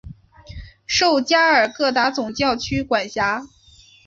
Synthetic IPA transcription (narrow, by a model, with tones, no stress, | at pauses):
ʂo˥˧ʊt͡ɕja˥ə˞˨˩kɤ˥˩t̪a˧˥t͡sʊ˨˩ŋt͡ɕjɑ˥˩ʊt͡ɕʰy˥kwa˨˩nɕja˧˥